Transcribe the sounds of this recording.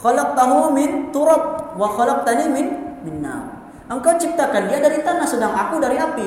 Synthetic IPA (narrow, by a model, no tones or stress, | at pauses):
xalɑq̚t̪aɦumɪnt̪uɾɔb̚waxɔlɔq̚t̪animɪnmɪnːa̰ | ʔəŋkawt͡ʃip̚t̪akandiadaɾit̪anahsədaŋakudaɾiapi